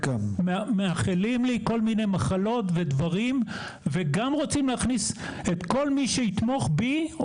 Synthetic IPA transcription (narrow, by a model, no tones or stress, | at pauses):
kammmeaχilimliko̞lminejmaχalo̞tve̞d̪vaʁim | veɡamʁot͡simleaχniset̪ko̞lmiʃeit̪mo̞χbi